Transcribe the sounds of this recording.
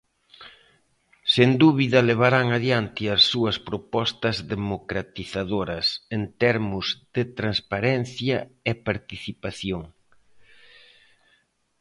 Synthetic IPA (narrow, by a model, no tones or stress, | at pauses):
send̪uβiðɐleβ̞aɾaŋaðjant̪ɪɐsːuɐspɾopɔst̪ɐzðemokɾat̪iθaðoɾɐsent̪ɛɾmʊzðet̪ɾanspaɾɛn̟θjɐepaɾt̪iθipaθjoŋ